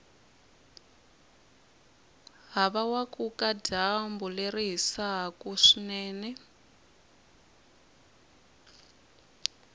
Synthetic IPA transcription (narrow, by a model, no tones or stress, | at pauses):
ɦaβawakukadambuleɾiɦisaɦkuʂinɛːnɛ